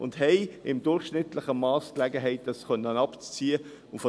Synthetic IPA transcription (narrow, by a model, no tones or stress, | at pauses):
ʊ̰ndɦɛɪɪmdʊɾχʃnɪtlɪχəmɑːsklɛɡəɦɛɪt̚d̥ɑskœnːənɑpt͡st͡siːə | ʊfɔ